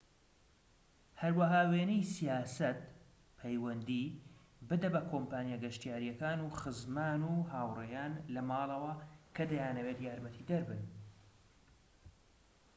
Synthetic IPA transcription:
hɐɾwɐɦaːweːnijsijaːsɐt̪̚ | pʰɛjwɐnd̪iː | bɨd̪ɐbɐkʰoːmpaːnjaɡɐʃt̪ijaːɾijɛkaːnuːxɨzmaːnuhaːwrejaːnlɐmɑːlˠɐwɐkʰɐd̪ɐjaːnɐweːt̪jaːɾmɐt̪ʰid̪ɐɾbɨn

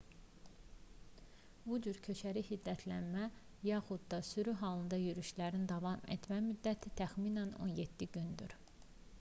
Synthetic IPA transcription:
bud͡ʒyɾcʰø̞t͡ʃʰæɾihid̪ːæt̪ʰlænmæ | jɑxud̪d̪ɑsyɾyɦɑːlˠɯnd̪ɑjyɾyʃlæɾind̪ɑvɑmḛt̪ʰmæmyd̪ːæt̪ʰit̪ʰæxmiːnæno̰njed̪̥ːiɟynd̪y̰ɾ

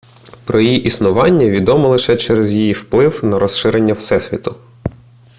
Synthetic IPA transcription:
pɾɔjijiʔisnʊʋɑnʲːɐʋʲid̪ɔmɔlˠɪʃɛt͡ʃɛɾɛzjijiwplˠɪwnɐɾɔsʃɪɾenʲːɐwsɛsʲʋʲḭt̪ʊ

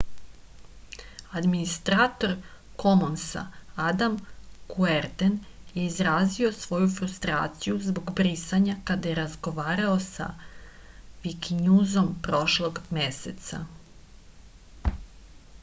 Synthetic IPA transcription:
ad̪minist̪ɾaːt̪o̞ɾ | ko̞monsa̰ad̪amkueɾt̪en | jeizɾaːzio̞sʋo̞jufɾust̪ɾa̰ːt̪sijuzbo̞ɡbɾisaɲakad̪ajeɾazɡo̞ʋaːɾaosa̰ | ʋikiɲuːzo̞mpɾo̞ʃlˠo̞ɡmesḛt̪sa̰

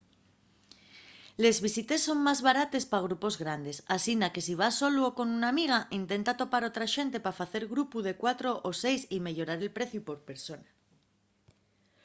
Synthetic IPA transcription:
le̞zβisit̪e̞sːo̞ŋmazβaɾat̪e̞spaɣ̞ɾupo̞zɣɾand̪e̞sasind̪ake̞siβ̞asoluoko̞nunamiɣ̞aʔint̪e̞nt̪at̪o̞paɾo̞t̪ɾaʃe̞nt̪e̞pafaθe̞ɾɣɾupuð̞e̞kwat̪ɾo̞ʔose̞jsime̞ʎo̞ɾaɾe̞lpɾe̞θjupo̞ɾpe̞ɾso̞na

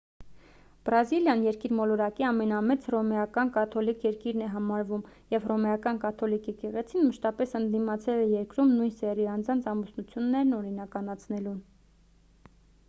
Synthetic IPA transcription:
b̥ɾɑziljɑnjɛɾkiɾmɔlɔɾɑkiɑmɛnɑmɛt͡srɔmɛjɑkɑnkɑt̪ʰɔlikʰjɛɾkiɾnɛɦɑmɑɾvum | jɛvrɔmɛjɑkɑnkɑt̪ʰɔlikʰjɛkɛʁɛt͡sʰinməʃt̪ɑpɛsənd̪imɑt͡sʰɛlɛjɛɾkɾumnujnsɛriɑnd͡zɑnt͡sʰɑmusnut͡sʰjunːɛɾnɔɾinɑkɑnɑt͡sʰnɛlun

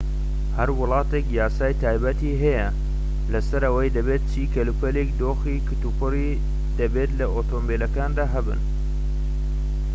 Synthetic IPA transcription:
hɐɾwʊlˠɑːt̪ekjaːsaːjt̪ʰaːjbɐt̪iɦɐjɐ | lɐsɐɾɐwɐjd̪ɐbeːt̪̚t͡ʃʰiːkɐlupɐlekd̪oːxikɨt̪upʰɨri | d̪̥ɐbeːt̪lɐʔoːt̪ʰoːmbelɐkaːnd̪aːɦɐbɨ̰n

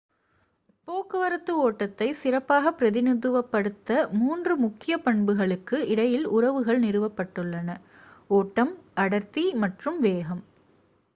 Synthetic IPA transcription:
poːkɯʋɐɾɐt̪ːɯoːʈːɐt̪ːɐɪsɪrɐpːaːɣɐpːɪɾɐðɪnɪðɯʋɐpːɐɽɯt̪ːɐmuːndrɯmʊkːɪjɐpɐɳbɯɣɐɭɯkːɯɪɽɐjɪlʊrɐʋɯɣɐɭnɪɾɯʋɐpːɐʈːɯɭːɐnɐ | oːʈːɐmʔɐɽɐɾt̪imɐʈrɯmʋeːɣɐm

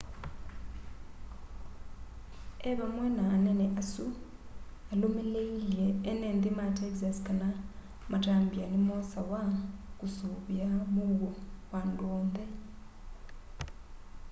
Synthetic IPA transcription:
eβamwenaneneʔasu | alumeleileːneːndimatekizasi̥kana | mataːmbianimosawakusuβjamuɣowandoːnde

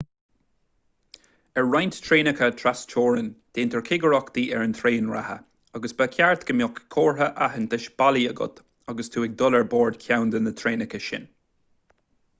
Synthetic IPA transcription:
əɹɹajnt̪t̪ʰɹeːnəkʰət̪ʰɾast͡ʃʰɔːɹənd̪̥eːnt̪əɹkʰɪɡəɹɔkd̪̥iːʔɛɹənt̪ʰɾeːənɹa̰hə̰ | aɡəsbakʰjaɹt̪ɡ̥əmjɔkkʰɔːɹɦəʔaɦənt̪ʰəʃb̥aliəɡʊ̰t̪ | aɡəst̪ʰuːɪk̚d̪ʊləɹbɔːɹd̪kʰawnd̪ənət̪ʰɹeːnəkəʃɪ̰n

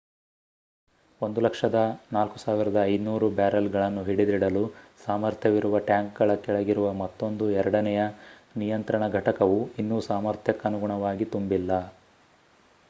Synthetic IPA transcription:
ond̪ulɐkʂɐd̪ɐnaːlku̥saːʋiɾɐd̪ɐːjd̪nuːɾubaːɾɐlɡɐɭɐnːuɦiɽid̪iɽɐlusaːmɐɾt̪ʰjɐʋiɾuʋɐʈjaːŋk̚ɡɐɭɐkɛɭɐɡiɾuʋɐmɐt̪ːo̞nd̪uɛɾɐɽɐnɛjɐ | nijɐnt̪ɾɐɳɐɡʱɐʈɐkɐʋuinːuːsaːmɐɾt̪ʰjɐkːɐnuɡuɳɐʋaːɡit̪umbilːɐ

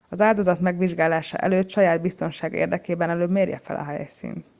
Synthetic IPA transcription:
ɒzaːld̪o̞zɒt̪mɛɡʋiʒɡaːlaːʃɒ̰ʔɛ̰løːt̪ʃɒjaːd̪̚bist̪o̞nʃaːɡḛːrd̪ɛkeːbɛnɛløːbmeːrjɛ̰fɛ̰lʔɒ̰ɦɛ̰jsḭːn

